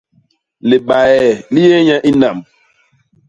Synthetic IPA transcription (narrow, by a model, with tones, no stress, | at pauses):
le˨ɓa˨ɛ˨li˦je˦ɲã˦ʔi˦na˨m